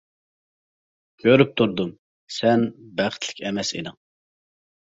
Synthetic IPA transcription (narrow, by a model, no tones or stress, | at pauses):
ɡ̥ʲøɾyp̚t̪ʰuɾd̪um | sɛnbæχt̪ʰlɪ̥kʲɛmɛsḭnɨŋ